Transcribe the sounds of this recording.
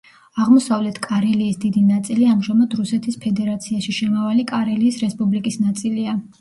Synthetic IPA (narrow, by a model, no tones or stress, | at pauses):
aʁmɔsavlɛt̪ʰkʼaɾɛliːsd̪id̪inat̪sʼiliamʒamad̪ɾusɛt̪ʰispʰɛd̪ɛɾat̪sʰiaʃiʃɛmavalikʼaɾɛliːsɾɛspʼublikʼisnat̪sʼilia